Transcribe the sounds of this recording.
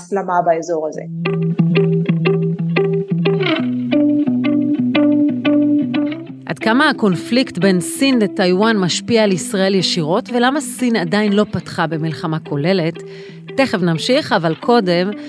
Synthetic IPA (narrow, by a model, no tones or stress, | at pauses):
slamabaezo̞ʁazḛ | ʔa̰dkamaako̞nfliktbe̞nsinletajwanmaʃpiaːlisʁae̞ljeʃiʁo̞tve̞lamasinadainlo̞patχabe̞milχamako̞le̞le̞tː | e̞χe̞vnamʃiχavalkʰo̞de̞m